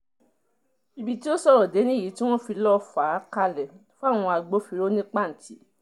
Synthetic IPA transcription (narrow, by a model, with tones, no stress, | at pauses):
i˧bi˧ti˦o˦sɔ˦ɾɔ˨de˨˦nĩ˦˨i˨˦ti˦w̃ɔ̃˦fi˧lɔ˦fa˨˦ka˧lɛ˨fo˦a˦˨w̃ɔ̃˧a˧ɡ͡bo˨˦fi˧ɾo˦nĩ˦k͡pa˦˨n̩˨tʰi˨˦